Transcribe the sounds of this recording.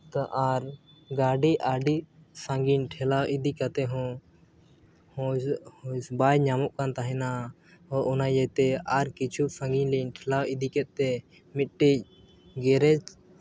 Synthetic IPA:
t̪aʔaɾ | ɡaɖiʔaɖisãŋɡinʈʰɛlawʔid̪ikat̪ɛɦɔ̃ | hhɔsbajɲamɔʔkant̪aɦɛ̃na | ɔʔɔnajɛt̪ɛaɾkit͡ʃʰusãŋɡiɲlinʈʰɛlawid̪ikɛt̪̚t̪ɛ | mit̪̚ʈic̚ | ɡɛɾɛd͡ʒ

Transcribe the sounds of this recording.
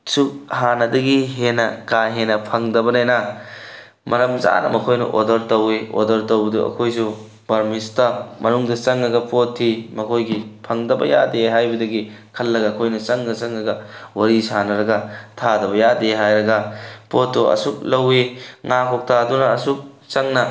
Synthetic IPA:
suk̚hanɐdɐɡiɦenɐkajɦenɐpʰɐŋdɐbɐnajnɐ | mʔɐɾɐmza̰nɐ̰mɐkʰojnɐ̰ʔodɐɾtowio̰dɐɾtowbɐduɐ̰kʰojs̬u | bɐɾmistɐmɐnuŋdɐt͡ʃɐŋːɐɡɐpotʰːimɐkʰojɡipʰɐŋdɐbɐ̰ja̰deɦajbɐdɐɡi | kʰɐlːɐɡɐːkʰojnɐt͡ʃɐŋdɐt͡ʃɐŋːɐɡɐwɐɾisanɐɾɐɡɐtʰadɐbɐjadeɦajɾɐɡɐpotːuɐ̰suk̚lɐwiŋakʰok̚tʰadunɐɐsuk̚ | t͡ʃɐŋnɐ

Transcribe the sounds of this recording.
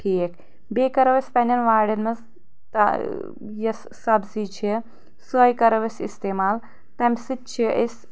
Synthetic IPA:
ʈʰiːk | beːkɐɾɐʋɐsʲpɐnʲɐnʋaːɽɐnmɐz | t̪ɐ̰ | jɐsːɐbsit͡ʃʰi | sɐjkɐɾɐʋɐsḭst̪eːmaːl | t̪ɐmʲsɨt̪̚t͡ʃʰiʔɐs

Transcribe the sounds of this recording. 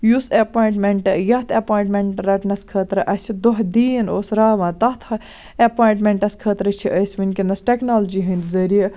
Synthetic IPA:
jusɐpaːiɳʈmeɳʈɨjɐht̪ʰɐpaːiɳʈmeɳʈɾɐʈnɐskʰəːt̪ɾɨʔɐsʲid̪oɦd̪iːnoːsɾaːʋãːt̪ɐt̪ʰɐ | ɐpaːiɳʈmeɳʈɐskʰəːt̪ɾɨt͡ʃʰiʔəsʲʋinʲkinɐsʈeknaːld͡ʒiɦɨ̃nd̪zɐɾiɐ

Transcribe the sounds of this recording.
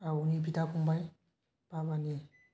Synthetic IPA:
awunipitakumbaj | b̥abane

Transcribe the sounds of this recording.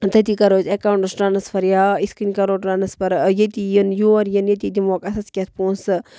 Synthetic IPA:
t̪ɐt̪ikɐɾoːzekawɳʈɨsʈaːnɐspʰɐɾjaːiskinkɐɾoːʈɾanɐspɐɾjet̪ijənjuɐɾjənjet̪id̪imoːkɐsɐskʲet̪ʰpoːnsɨ

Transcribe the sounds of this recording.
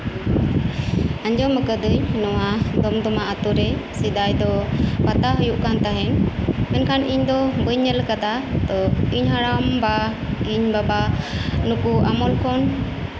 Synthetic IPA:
aɲd͡ʒɔməkəd̪əɲnɔwad̪ɔmd̪ɔmaʔat̪uɾɛsid̪ajd̪ɔpat̪aɦəjuʔkant̪aɦɛnmɛnkʰanʔiɲd̪ɔbəɲːəlkad̪at̪ɔiɲɦaɽamba | iɲbabanukuamɔlkʰɔn

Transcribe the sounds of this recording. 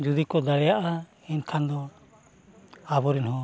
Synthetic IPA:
d͡ʒud̪ikɔd̪aɽɛjaʔa | ɛnkʰand̪ɔ | abɔɾinhɔ

